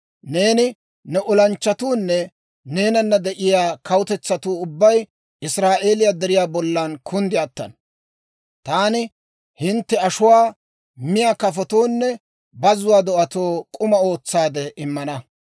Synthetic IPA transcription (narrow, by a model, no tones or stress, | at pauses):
ne̞ːnɪ | nɛʔʊlɐnt͡ʃːɐt̪uːnːɛ | ne̞ːnɐnːɐd̪ɛʔɪjaːkɐwʊt̪ɛt͡sːɐt̪uːʊbːɐj | ʔɪsɾaːʔe̞ːlɪjaːd̪ɛɾɪjaːbɔlːɐnkʰʊnd̪ɪɐt̪ːɐ̰n | t̪aːnɪ | hɪnt̪ːɛɐʃʊwaː | mɪjaːkɐfɔt̪oːnːɛ | bɐzʊwaːd̪ɔʔɐt̪o̞ːkʼʊmɐo̞ːt͡sːaːd̪ɛʔɪmːɐnɐ